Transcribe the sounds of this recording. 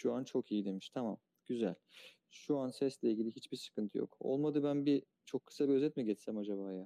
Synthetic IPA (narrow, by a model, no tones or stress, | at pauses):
ʃuant͡ʃʰo̞kijid̪e̞miʃt̪ʰama̰m | ɟ̥yzælʲ | ʃuansɛslʲɛilʲɟilʲiɦit͡ʃbiɾsɯ̥kɯnt̪ʰɯjo̰ko̰lˠmad̪ɯbænbi | t͡ʃʰo̞kʰːɯ̥sabiøzɛt̪mɛɟɛt͡ʃ̪sæmad͡ʒabaːja